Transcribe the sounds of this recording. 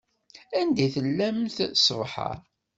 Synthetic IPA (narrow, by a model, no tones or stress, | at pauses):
ænd̪æθəlːæmθsvħə̰ɾ